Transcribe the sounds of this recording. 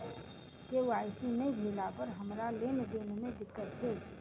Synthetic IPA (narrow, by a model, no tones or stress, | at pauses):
keʋaːɪsinɐibʱeːlapɐɾɦɐmɾaleːned̪eːnemẽd̪ɪkːət̪ɦeːt̪ː